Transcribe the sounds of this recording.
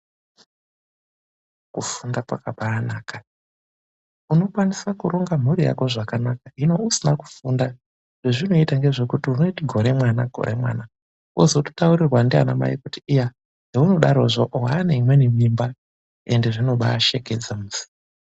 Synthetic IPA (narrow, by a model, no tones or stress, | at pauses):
kufundapakaɓaːnaːka | uno̞kwanisakuɾo̞ŋɡam̤urija̰ko̞ʐakanakaino̞usinaku̥funda | ʐ̥eʐino̞itaŋɡe̞ʐe̞kutiuno̞itiɡʱo̞ɾe̞mwanaɡʱo̞̰ɾʔe̞̰mwa̰ːna | ozoto̥tauɾirwandia̰na̰ma̰ikutiːja | ɦeuno̞ɗaɾo̞ʐoʔɦaːneimwe̞nimimba | e̞̰nde̞ʐino̞ɓaːʃeked͡zamuzi